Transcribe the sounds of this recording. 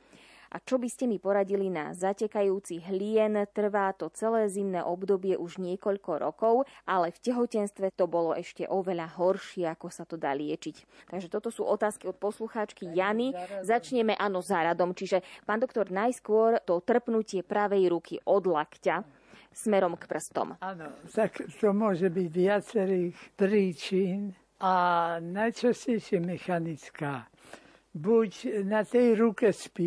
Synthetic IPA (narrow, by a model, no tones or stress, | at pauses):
ʔa̰t͡ʃɔbiscɛmipɔɾaɟilina̰zacɛkajuːt͡siɦʎɪɛnt̪r̩ʋaːt̪ɔt͡sɛlɛːzimnɛːʔɔbd̪ɔbɪɛʔuʒɲɪɛkɔʎkɔɾɔ̰kɔʊʔalɛfcɛɦɔcɛnst̪ʋɛt̪ɔbɔlɔʔɛʃcɛ̰ʔɔʋɛʎaɦɔɾʃɪɛakɔsat̪ɔd̪a̰ːlɪɛt͡ʃic | t̪aɡʒɛt̪ɔt̪ɔsṵːʔɔt̪aːskiɔt̪̚pɔsluxaːt͡ʃkijanizat͡ʃɲɛmɛʔaːnɔzaɾad̪ɔmt͡ʃiʒɛpaːnd̪ɔk̚t̪ɔɾnajskʊɔɾt̪ɔt̪r̩pnucɪɛpɾaʋɛjɾukiʔɔd̪lakca | smɛɾɔmkpr̩st̪ɔ̰manɔt̪akt̪ɔmʊɔʒɛbiɟʋɪat͡sɛɾiːxpɾiːt͡ʃin | ʔanajt͡ʃascɛjʃɪɛmɛxanit͡skaː | bucnat̪ɛjɾukɛspi